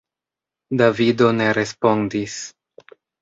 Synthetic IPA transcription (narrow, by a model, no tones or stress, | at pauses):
davido̞ne̞ɾe̞spo̞ndis